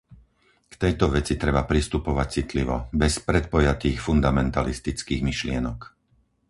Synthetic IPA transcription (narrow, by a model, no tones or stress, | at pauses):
kt̪ɛjt̪ɔʋɛt͡sit̪ɾɛbapɾist̪upɔʋac̚t͡sit̪liʋɔbɛspɾɛt̪̚pɔjat̪iːxfund̪amɛnt̪alist̪it͡skiːɣmiʃlɪɛnɔk